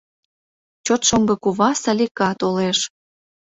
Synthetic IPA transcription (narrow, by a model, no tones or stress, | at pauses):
t͡ɕot̪ʃomɡɤkuβɑsɑlʲikɑt̪oleʃ